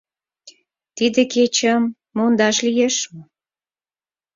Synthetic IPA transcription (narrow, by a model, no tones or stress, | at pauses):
t̪id̪eket͡ɕəmː | ond̪ɑʃlijeʃmə